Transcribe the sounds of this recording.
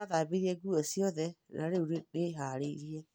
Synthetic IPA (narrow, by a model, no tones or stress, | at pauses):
aðaːbeɾiɛɡuɔsiɔðɛnaɾeuɾedeɦaːɾeiɾiɛ